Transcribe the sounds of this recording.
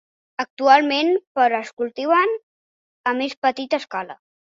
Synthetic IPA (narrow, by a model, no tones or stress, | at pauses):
ək̚t̪ualˠmenpəɾəskulˠt̪iwən | əmespət̪it̪əskalə̰